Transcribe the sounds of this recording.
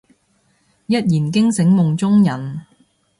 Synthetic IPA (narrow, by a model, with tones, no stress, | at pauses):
jɐ˦˥t̚jiː˨˩nkɪ˥ŋsɪ˨˥ŋmʊ˨ŋt͡sʊ˥ŋjɐ˨˩n